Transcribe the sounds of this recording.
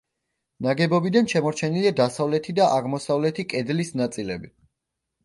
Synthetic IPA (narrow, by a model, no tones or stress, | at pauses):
naɡɛbɔbid̪anʃɛmɔɾt͡ʃʰɛniliad̪asavlɛt̪ʰid̪aʔaʁmɔsavlɛt̪ʰikʼɛd̪lisnat̪sʼilɛbi